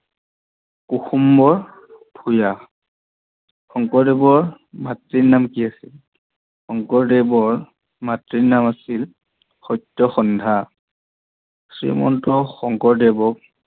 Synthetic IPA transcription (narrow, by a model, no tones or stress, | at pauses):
kuxumbɔɹ | pʰuja | xɔŋkɔɹdɛbɔɹ | matɹiɹnamkiasil | xɔŋkɔɹdɛbɔɹ | matɹinamasil | xɔjtːɔxɔndʱa | sɹḭmɔ̰ntɔxɔŋkɔɹdɛbɔk̚